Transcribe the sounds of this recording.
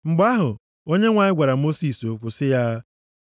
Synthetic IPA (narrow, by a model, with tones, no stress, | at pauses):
ŋ͡m̩˨ɡ͡ba˦ɦʊ˨ | o˦ɲe˦ŋʷa˨ɲɪ˦ɡʷa˨ɾa˨mo˦si˨so˨kʷʊ˨sɪ˦ja˦